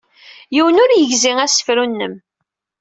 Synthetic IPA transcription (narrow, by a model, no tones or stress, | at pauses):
jiwənʊɾjəʝziŋæsə̥fɾunːəm